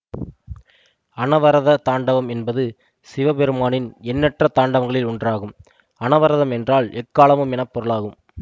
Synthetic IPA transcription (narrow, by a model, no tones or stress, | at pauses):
ɐnɐʋɐɾɐðɐt̪aːɳɖɐʋɐmɛnbɐðɯ | sɪʋɐpɛɾɯmaːnɪnɛnːɛʈrɐt̪aːɳɖɐʋɐŋɡɐɭɪlʊɳdraːɣɯm | ɐnɐʋɐɾɐðɐmɛndraːɭɛkːaːɭɐmɯmɛnɐpːɔɾɯɭaːɣɯm